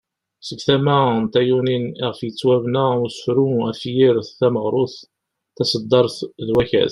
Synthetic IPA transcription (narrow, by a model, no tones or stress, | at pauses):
səvθæmæənt̪æjuniniʁfjət͡sːwævnæusfɾuæfjɪɾθθæməʁɾˤʊθ | θæsəd̪ˤːɑɾˤθðwæçæ̰θ